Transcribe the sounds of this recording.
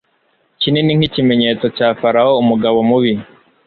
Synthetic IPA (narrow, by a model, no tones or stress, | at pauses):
cineniŋ̥icime̞ɲe̞t͡so̞caːfaɾaoumuɡaβo̞muβi